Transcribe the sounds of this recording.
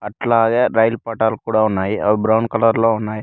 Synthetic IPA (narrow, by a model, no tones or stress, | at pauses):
ɐʈlɐaːɡeɾɐjlpaːʈaːlukuːɽaunːaːjiɐbɾɐwɳkɐlɐɾlːounːaːji